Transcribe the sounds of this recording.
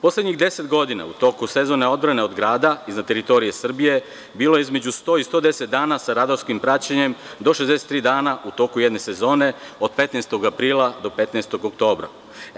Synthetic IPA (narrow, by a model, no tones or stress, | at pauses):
po̞slˠed̪ɲiɣd̪e̞se̞t̪ɡo̞d̪ina̰ut̪o̞kusezo̞neo̞d̪bɾane̞o̞d̪ɡɾaːd̪aiznad̪t̪e̞ɾit̪o̞ɾije̞sr̩bije̞ | biːlo̞jeizme̞d͡ʑust̪o̞ːist̪o̞ːd̪e̞set̪̚d̪aːnasaɾad̪oɾskimpɾat͡ɕeɲe̞m | d̪o̞ʃezd̪eset̪ːɾiːd̪aːnaut̪o̞ːkujed̪ne̞se̞zo̞ːne̞od̪̚pe̞t̪nest̪o̞ɡapɾiːlˠad̪o̞pe̞t̪nest̪o̞ɡokt̪o̞ːbɾa̰